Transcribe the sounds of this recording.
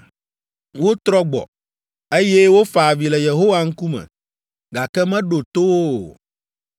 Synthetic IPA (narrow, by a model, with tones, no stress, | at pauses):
wo˦t̪ɾɔ˦ɡ͡bɔ̰˨ | e˦jɛ˦wo˦fa˨vi˨lɛ˨je˨ɦo˦wa˨ŋ̩˦ku˦mɛ̰̃˨ | ɡa˨kɛ˦mɛ̃˦ɖo˨t̪o˦wo˦˨